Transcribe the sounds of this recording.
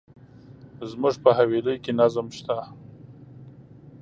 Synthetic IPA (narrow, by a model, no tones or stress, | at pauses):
zmuʐpəɦaweləjkenazmʃt̪a